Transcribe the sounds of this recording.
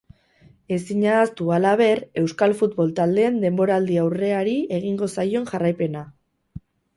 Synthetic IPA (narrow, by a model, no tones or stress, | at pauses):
e̞siɲaːst̪ualaβ̞e̞re̞wskalfut̪βo̞lt̪ald̪e̞ːnd̪e̞mbo̞ɾaːld̪iawre̞aɾie̞ɣ̞iŋɡo̞sajo̞nʝarajpe̞na